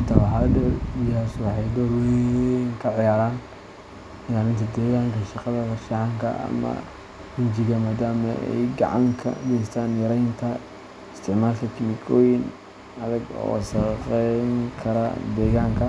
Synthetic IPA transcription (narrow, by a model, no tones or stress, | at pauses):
t̪ʰɐwħadɐɪjswɑħɛjdɐɾwɛŋkʰɐʕɪjaːɾaːn | ɪjaːɾɪnt̪ʰɐd̪ɛːɣaːŋkʰɐʃɑqɐðɐkɐʃɑʕɑŋkʰɐ̰ʔɐ̰mɐ̰ | ɡʊnt͡ʃɪɣɐmaːd̪aːmɐʔɛ̰jɡɑ̰ʕɑŋkʰɐ̰ɡɛjst̪ʰaːnjɐɾɐjnt̪ʰɐ | ɪst̪ʰɪʕmaːlkʰɐkʰɪmɪkʰɔːjɪn | ɐðɐɡɔ̰ːʃɐqɛŋkʰɐɾɐ̰d̪ɛːɣaːŋkʰɐ